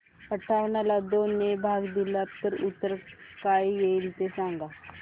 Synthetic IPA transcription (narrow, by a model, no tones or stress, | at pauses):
əʈʰaʋɳalad̪onːebʱaɡd̪ilapt̪əɾut̪ːəɾkaijelt̪esãŋɡa